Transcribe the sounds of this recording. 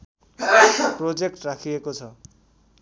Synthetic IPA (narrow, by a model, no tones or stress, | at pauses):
prod͡zekʈrakʰiekot͡sʰʌ